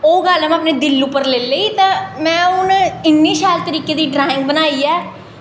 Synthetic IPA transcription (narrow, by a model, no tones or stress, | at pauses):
oːɡəlmaːpneːd̪ɪlːʊpːəɾleːleiːt̪ãːmɛ̃ːʊnɪnːiːʃaːlt̪əɾiːkeːd̪iːɖɾaːɪ̃ŋɡ̚bənaːiːɛː